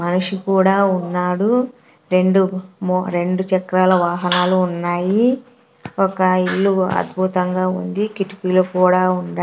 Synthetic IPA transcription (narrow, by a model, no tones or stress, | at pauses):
mɐnuʂikuːɽaːunːaːɽu | ɾe̞ɳɖumɾe̞ɳɖut͡ʃɛkɾaːlɐʋaːɦɐnaːluːnːaːji | ɔkɐiɭːuɐ̰d̪bʱut̪ɐŋɡaːṵnd̪ikiʈi̥piːlokuːɽaːuɳɖ